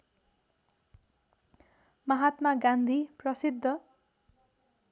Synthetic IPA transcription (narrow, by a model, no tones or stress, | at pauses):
mʌɦat̪maɡãnd̪ʱiprʌsid̪ʱːʌ